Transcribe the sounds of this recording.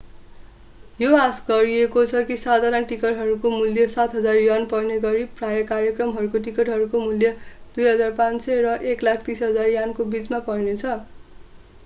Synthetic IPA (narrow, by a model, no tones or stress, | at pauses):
joasɡʌɾiekot͡sʰʌkisad̪ʱanaʈikʌʈɦʌɾukomuljʌsat̪ʰɦʌd͡zarjanpʌrneɡʌɾiprajʌkarjʌkrʌmɦʌɾukoʈikʌʈɦʌɾukomuljʌd̪̥ujɦʌd͡zarpãnsʌrʌʔeklakʰt̪isɦʌd͡zarjankobit͡smapʌjnet͡sʰʌ